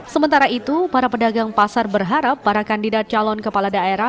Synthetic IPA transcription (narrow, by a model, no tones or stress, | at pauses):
səmənt̪aɾait̪upaɾapədaɡaŋpasarbərɦaɾapːaɾakandidat̪̚t͡ʃalɔnkəpaladaeɾa